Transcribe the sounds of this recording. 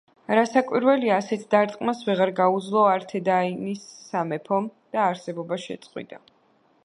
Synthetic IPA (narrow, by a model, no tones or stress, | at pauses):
ɾasakʼwiɾwɛliaːsɛt̪ʰd̪aɾt̪ʼqʼmasvɛʁaɾɡaud̪zlˠɔaɾt̪ʰɛd̪ainisːamɛpʰɔmd̪̥aːɾsɛbɔbaʃɛ̰t̪sʼqʼwḭd̪a